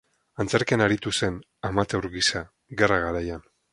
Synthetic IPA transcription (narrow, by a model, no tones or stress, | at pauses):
ant͡seɾkenaɾit̪use̞n | amat̪ewɾɣisa | ɣeraɣ̞aɾajan